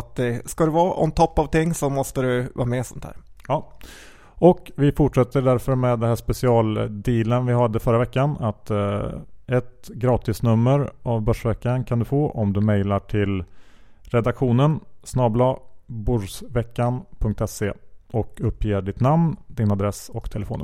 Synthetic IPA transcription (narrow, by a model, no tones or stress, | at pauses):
t̪̚d̪ɛskad̪ɛvɑːʔɔ̰mnt̪ʰɔpːavt̪ɪŋːsɔmɔst̪əɾɵvɑ̰ːmɛsɔnt̪ʰhæ̰ːɾjɑː | ɔkvɪfʊʈʂɛt̪ːəɖæɾfœɾmɛːd̪ːɛnɦæːʂpɛsɪɑːld̪iːlənvɪɦad̪ːəfœɾavɛkːanat̪ | ɛt̪ɡɾɑːt̪ɪsnɵmːəɾʔavbœʂvɛkːankʰand̪ɵfoːʔɔmd̪ɵmɛjlaʈʰɪl | ɾɛd̪akɧuːnənsnɑːblɑːbʊʂsvɛkːanpʰɵŋk̚t̪ɛseʔɔkɵpːjeːɖɪt̪namnd̪ɪnad̪ɾɛsɔkt̪ʰɛlɛfoːnə̰